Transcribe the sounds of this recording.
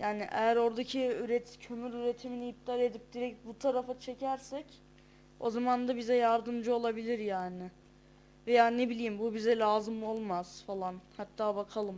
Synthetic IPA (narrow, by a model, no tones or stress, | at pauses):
jaːnɪʔḛjæɾo̞ɾd̪acʰiyɾet̪cʰø̞myɾyɾe̞t̪ʰiminiip̚t̪ʰaɾe̞d̪ip̚d̪iɾɛc̚t̪̚but̪ʰaɾafat͡ʃʰe̞cʰæɾsɛc | o̞̰zamand̪abizɛjaɾd̪ɯmd͡ʒɯo̞lˠabilʲiɾjaːnɪ | vɛjaːne̞bilʲijimbubizɛlʲaːzɯmo̞lˠmaz̥falˠanhat̪ʰːaːbakʰalˠɯm